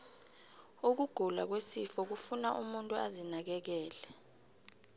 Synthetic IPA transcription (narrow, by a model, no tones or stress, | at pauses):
uk̬uɡ̥ʱula̰k̬wesifɔk̬ufunaʔumuntʼuazinak̬ɛk̬ɛːlɛ